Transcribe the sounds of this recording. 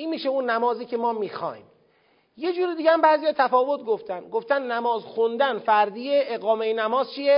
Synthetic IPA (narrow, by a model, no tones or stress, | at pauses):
ʔiːnmiːʃeunːæmɒːziːcʰe̞mɒːmiːxɒ̰ːjm | je̞d͡ʒuːɾid̪iːɟææmbæːzijɒːt̪ʰæfɒːvo̞t̪̚ʰɡo̞ft̪ænd̪ɡoft̪ænːæmɒːzxund̪ænfæɾd̪iːeʔeɣɒːmeinæmɒːz̥t͡ʃʰije